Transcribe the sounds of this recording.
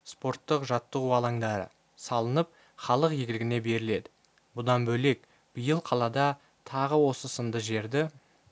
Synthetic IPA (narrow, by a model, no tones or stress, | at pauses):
spo̞rt̪ːəqʒɑt̪ːəʁuɑlˠɑŋd̪ɑɾə̰ | sɑlˠənəp̚ | χɑlˠəqjeɡʲɪlɡʲɪne̞be̞ɾɪle̞d̪ɪ̥ | bʊd̪ɑnbɵle̞k | b̥əjəlˠqʰɑlˠɑd̪ɑ | t̪ʰɑʁəwo̞səsənd̪əʒe̞ɾd̪ɪ